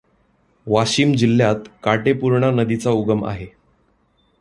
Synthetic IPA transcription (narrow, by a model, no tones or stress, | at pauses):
ʋaɕiːmd͡ʑilːjat̪kaʈepuɾɳanəd̪it͡sauɡəma̰ɦe